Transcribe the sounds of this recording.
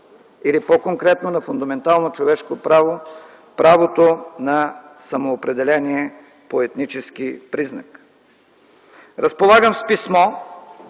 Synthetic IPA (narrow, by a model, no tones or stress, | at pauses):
ilipokoŋkɾɛt̪nonɐfʊnd̪ɐmɛnt̪alˠnot͡ʃovɛʃkopɾavo | pɾʔavot̪onɐsɐmoːpɾɛd̪ɛlɛniɛ | poɛt̪nit͡ʃɛskipɾiznə̰k | ɾəspolˠaɡəmspismɔ